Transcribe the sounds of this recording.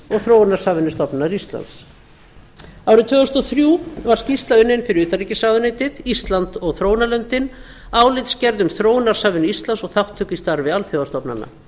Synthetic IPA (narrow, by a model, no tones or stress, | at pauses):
ɔɣθɾoːwnaɾ̥saːvɪnʏst̪ɔpnnaɾist̪la̰ns | aːwɾɪt̪ʰvœːɣʏst̪ɔθɾjuːvaɾ̥scist̪laʏnːɪnfɪɾɪɾʏːt̪aɾicɪsaːðʏnejt̪ɪðist̪lant̪ɔɣθɾoːwnaɾlœnt̪ɪn | aːwlɪjt̪scɛɾðʏmθɾoːwnaɾ̥saːvɪnʏist̪lansɔɣθawht̪ʰːʏkist̪aɾvɪalθjowðast̪ɔpna̰nːa̰